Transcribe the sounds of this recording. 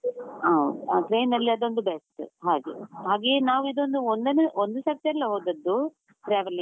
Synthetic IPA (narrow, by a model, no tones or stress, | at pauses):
ɐd̪uaːʈɾeːjnɐlːiɐd̪o̞nd̪ubesʈɦaːɡḛɦaːɡe̞ːnaːʋuid̪o̞nd̪uond̪ɐneond̪usɐk̚t̪ɐlːɐɦoːd̪ɐd̪ːu | ʈɾɛːʋɐliŋ